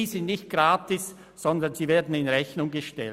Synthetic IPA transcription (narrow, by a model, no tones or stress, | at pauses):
iːzɪ̃ntnɪçt̚ɡ̥ʁaːtɪs | z̥ɔndɐnz̥iːveːɐdn̩ɪnʁɛçnʊŋɡəʃtɛ̰l